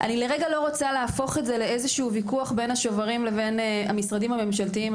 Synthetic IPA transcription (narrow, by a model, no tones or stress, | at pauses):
ʔa̰nile̞ʁeɡalo̞ʁot͡saleafo̞χetze̞le̞ezeʃuuvikuaχbe̞nhaʃo̞vaʁimle̞ve̞na̰misʁadimhame̞mʃaltiim